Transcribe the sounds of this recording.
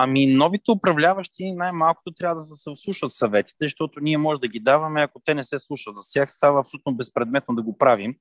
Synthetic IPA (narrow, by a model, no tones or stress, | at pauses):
ɐminɔvit̪ɛʊpɾɐvlʲavɐʃt̪inajmalˠko̥t̪ot̪ɾjavəd̪ɐsɛsɛslˠuʃət̪sɐvɛt̪i̥t̪ɛʃt̪ɔt̪oniɛmɔʒɛd̪ɐɡʲid̪avɐmɛɐkot̪ɛnɛsɛslˠuʃət̪zɐst̪ʲjaxst̪avɐːpsolʲut̪nobɛspɾɛd̪mɛt̪nod̪ɐɡopɾavim